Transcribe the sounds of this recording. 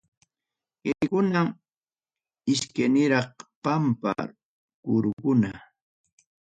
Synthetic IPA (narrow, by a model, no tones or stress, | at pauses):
ɢejkʊnam | ɪskanɪɾɑχpampa̰ | kʊɾʊkʊna